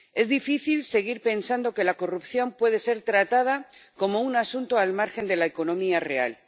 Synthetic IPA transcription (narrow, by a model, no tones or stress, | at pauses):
e̞zðifiθilse̞ɣ̞iɾpe̞nsand̪o̞ke̞lako̞rupθjo̞mpwe̞ð̞e̞se̞ɾt̪ɾat̪að̞ako̞mo̞unasunt̪oalmaɾxe̞nd̪e̞laeko̞nõ̞miare̞a̰l